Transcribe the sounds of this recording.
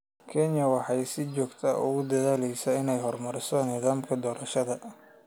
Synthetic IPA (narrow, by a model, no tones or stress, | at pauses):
kʰɛnjɐwɑħɑjsɪt͡ʃɔːɡt̪ʰɐʔʊ̰ɣʊd̪ɐðaːlɛjsɐɪnɛjɦɔrmɐɾɪsɔnɪðaːmkʰɐd̪ɔːɾɐʃɐðɐ